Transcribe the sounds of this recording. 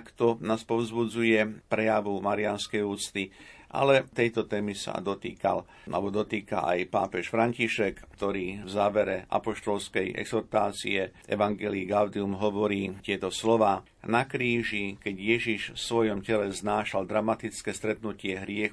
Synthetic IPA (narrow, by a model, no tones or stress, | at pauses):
kt̪ɔnaːspɔʊzbud͡zujɛpɾɛjaʋumaɾianskɛjuːt͡st̪iʔa̰lɛt̪ɛjt̪ɔt̪ɛːmisa̰d̪ɔt̪ḭːka̰l | ʔa̰lɛbɔd̪ɔt̪iːka̰ʔa̰jpa̰ːpɛʃfɾaɲciʃɛkt̪ɔɾiːvzaːʋɛɾɛʔa̰pɔʃt̪ɔlskɛjɛ̰ɡz̥ɔɾt̪aːt͡sḭɛʔɛ̰ʋaŋɡɛliɡaʊd̪iumɦɔʋɔɾiːt̪ɪɛt̪ɔslɔʋaː | nakɾiːʒikɛɟjɛʒiʃfsʋɔjɔmcɛlɛznaːʃald̪ɾamat̪it͡skɛːst̪ɾɛt̪nucɪɛɦɾɪɛx